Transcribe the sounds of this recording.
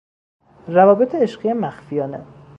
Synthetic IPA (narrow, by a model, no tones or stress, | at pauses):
rævɒːbet̪ʰeeʃɢijemæxfijɒːne